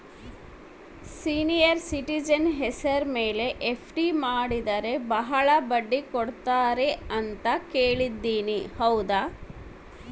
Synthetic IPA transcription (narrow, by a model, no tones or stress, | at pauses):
siːnijɐɾsiʈid͡ʒɐnɦɛsɐɾmeːle̞ʔːpʰʈimaːɽid̪ɐɾe̞bɐɦɐɭɐbɐɖːikoɽt̪aːɾeɐnt̪ɐkeːɭid̪ːiːnihɐwd̪a